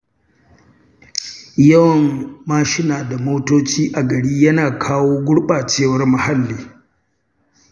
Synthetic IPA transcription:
jɐ˦wɐ˨mːaː˦ʃɪ˦naː˨da˨moː˦toː˦t͡ʃiː˦ʔa˨ɡɐ˨ɽiː˦jɐ˦naː˨kʰaː˦woː˦ɡʷʊ˦ɽɓaː˨t͡ʃeː˦˨wɐ˦rmʊ˨ha˦lːiː˨

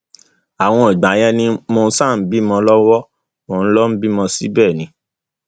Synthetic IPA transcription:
a˨w̃ɔ̃˧i˨ɡ͡ba˨˦jɛ˧˦nĩ˧mo˧˦sa˦˨n̩˨˦bi˦mɔ̃˧lɔ˦wɔ˦ | mɔ̃˨n̩˦lɔ˦n̩˦bi˦mɔ̃˧si˦bɛː˦˨nĩ˧˦

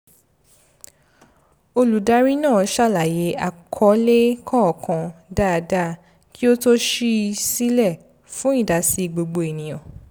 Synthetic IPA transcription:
o˧lu˨da˦ɾi˦nãː˦˨˦ʃa˦˨la˨je˨˦a˦˨kʰɔ˨˦le˦kʰɔ̃˦ɔ˨kʰã˨da˦˨˧da˦ | ki˦o˦to˦ʃi˦˧si˦lɛ˦˨ | fũ˦ĩ˦˨da˨si˨˧ɡ͡bo˧ɡ͡bo˧i˨nĩ˨j̃ɔ̃˨

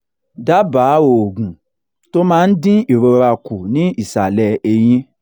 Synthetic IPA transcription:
da˦baː˨˦o˨ɡũ˨ | to˦mãː˦n̩˦dĩ˦i˨ɾo˧ɾa˧ku˨nĩ˨˦i˦˨sa˨lɛ˧e˧j̃ĩ˦

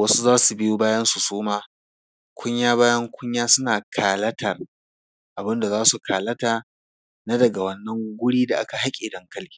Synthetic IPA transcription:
wɐ˦su˦zaː˦su˨bɪ˦joː˦baː˦jɐ˦nsu˨soː˦maː˦ | kʷʰʊ˦ɲjaː˦βaː˦jɐ˦ŋkʷʊ˦ɲjaː˦sʊ˦naː˨kʰaː˨lɐ˦tʰɐ˨r | ʔa˨bɪ˦nda˨zaː˦su˨kʰaː˨lɐ˦taː˨ | na˦dɐ˨ɡa˨wɐ˦nːɐ˦ŋɡʷʊ˦ɽiː˦da˨ʔa̰˦ka˨ha˦kʲʼɪ˨dɐ˦ŋkɐ˦lkʲi̥˦

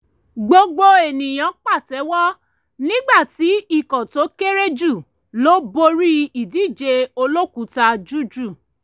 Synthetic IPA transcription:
ɡ͡bo˧ɡ͡bo˧e˨nĩ˨j̃ã˨˦k͡pa˦˨tɛ˨˦wɔ˦ | nĩ˦ɡ͡ba˦˨ti˨˦i˦˨kɔ̃˨to˨˦ke˦ɾe˦d͡ʒu˦˨ | lo˦bo˧ɾi˦i˨di˨˦˨d͡ʒe˧o˧lo˦ku˨˦ta˧d͡ʒu˦˨d͡ʒu˦˨

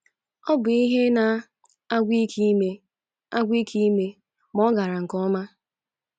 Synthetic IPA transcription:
ɔ˦bʊ˨i˦ɦe˦na˨ | a˦ɡʷi˦kʰi˦me˦ | a˦ɡʷi˦kʰi˦me˦ | mɔ˦ɡa˨ɾa˨ŋ̩˨kɔ˦ma˦

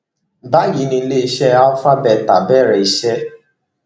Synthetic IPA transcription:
da˦ji˨˦nĩ˧˦le˦i˦ʃɛ˦a˦ɔ˦fa˦bɛ˦˨ta˨bɛ˦˨ɾɛ˨i˦ʃɛ˦

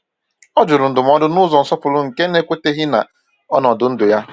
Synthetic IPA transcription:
ɔ˦d͡ʒʊ˨ɾʊ˨n̩˨dʊ˨m̩˦ɔ˦dʊ˦nʊ˦zɔ˨n̩˨sɔ˦pʊ˨lʊ˦ŋ̩˨ke˦ne˦kʷe˦te˦ɦɪ˦na̰˨ | ɔ˦nɔ˨dʊ˦n̩˦dʊ˨ja˦

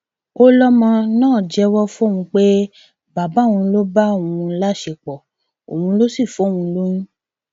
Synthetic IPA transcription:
o˦lɔ˦mɔ̃˧nãː˦˨d͡ʒɛ˨˦wɔ˦fõ˦˨ũ˧k͡pe˦ | ba˨ba˨˦˨w̃ũ˧˦lo˦ba˦õ˨ũ˧˦la˦ʃe˧˨k͡pɔ˨ | o̰˨wũ˧˦lo˦si˦˨fo˨˦˨wũ˧lo˦jĩ˦

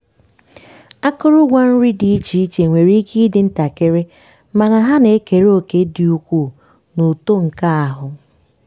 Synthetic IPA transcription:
a˦kʊ˦ɾʊ˦ɡʷa˦n̩˦ɾi˦di˨i˦t͡ʃi˨i˦t͡ʃe˨ŋʷe˨ɾi˦ki˦dɪ˨n̩˦ta˨ke˦ɾe˦ | ma˨na˨ɦa˦ne˨˦ke˨ɾo˨ke˨˦di˨u˦kʷu˦˨ | nu˨to˦ŋ̩˨ka˦a˨ɦʊ˨

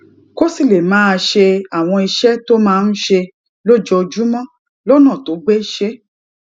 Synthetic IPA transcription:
ko˦si˦˨le˨mãː˨˦˧ʃe˧a˦˨w̃ɔ̃˧i˧ʃɛ˦to˦mãː˦˧n̩˦ʃe˧ | lo˦d͡ʒɔ˧d͡ʒu˦mɔ̃˦ | lɔ˦nã˦˨to˨˦ɡ͡be˦˨ʃe˦

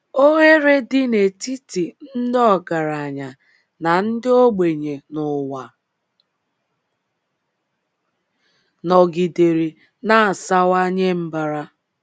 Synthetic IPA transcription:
o˦ɣe˦ɾe˦dɪ˦ne˨ti˦ti˨n̩˦dɔ˦ɡa˨ɾa˨ɲa˨ | na˨n̩˦dɪ˦o˦ɡ͡be˨ɲe˨nʊ˨wa˨ | nɔ˨ɡi˨de˨ɾi˨ | na˦˨sa˦wa˦ɲe˦m̩˦ba˨ɾa˦

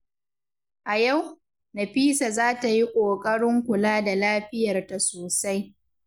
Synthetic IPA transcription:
ʔa˨ja˦˨w | na˨ɸiː˦sa˨zaː˦ta˨ji˦kʷʼoː˨kʼɐ˦ɽɪ˦ŋkʷʊ˨laː˦da˨laː˦ɸɪ˦jɐ˨rta˨soː˨sa˦j

